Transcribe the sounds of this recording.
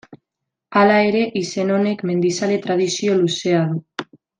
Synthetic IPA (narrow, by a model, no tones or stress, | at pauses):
alae̞ɾe̞ʔise̞no̞ne̞kme̞nd̪isale̞t̪ɾað̞isio̞luse̞að̞u